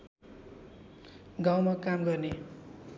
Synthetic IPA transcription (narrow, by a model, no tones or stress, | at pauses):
ɡaw̃makamɡʌrne